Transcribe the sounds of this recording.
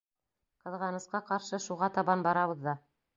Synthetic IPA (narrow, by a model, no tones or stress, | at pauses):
qɤ̆ðʁɑnɤ̆sqɑqɑɾʃɤʃuʁɑt̪ɑβɑnbɑɾɑβɤ̆ðːɑ